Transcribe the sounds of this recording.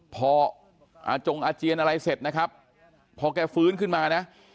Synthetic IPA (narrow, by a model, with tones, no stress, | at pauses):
pʰɔː˧ | ʔa̰ː˧˩t͡ɕo˧ŋʔaː˧t͡ɕi˧ənʔa˧ɾa˧jse˨˩t̪̚na˦˥kʰa˦˥p̚ʰː | ɔː˧kɛː˧˩fɯː˦˥nkʰɯ˥˩nmaː˧na˦˥ʔ